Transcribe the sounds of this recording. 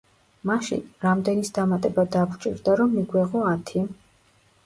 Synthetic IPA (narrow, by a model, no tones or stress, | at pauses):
maʃḭnɾamd̪ɛnisd̪amat̪ʼɛbad̪akt͡ʃʼḭɾd̪aɾɔmːiɡwɛʁɔat̪ʰi